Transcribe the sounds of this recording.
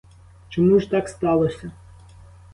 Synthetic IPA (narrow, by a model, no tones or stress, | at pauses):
t͡ʃɔmuʒt̪ɑkst̪ɑlˠɔsʲɐ